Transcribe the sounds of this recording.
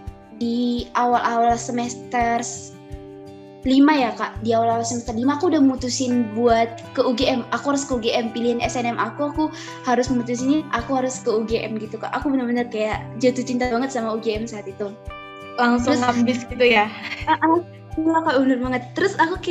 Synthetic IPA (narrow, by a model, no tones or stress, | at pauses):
diawalʔawalsəmɛst̪ərs | limajakaʔdiawalawalsəmɛst̪ərlimaːkuudahməmut̪usɪnbuat̪̚kəuɡeɛmakuɦaɾʊskəuɡeʔɛmpiliɦanɛsɛnɛmʔakuaku | haɾʊsməmut̪us̬iniʔakuɦaɾʊskəuɡeʔɛ̰mɡit̪uka̰ʔakubənərbənərkajaʔd͡ʒat̪ut͡ʃint̪abaŋət̪samauɡeɛmsaːt̪it̪u | laŋsʊŋabɪsɡit̪ujaʔaku | akaʔənʊrbaŋət̪ːəɾʊsakuka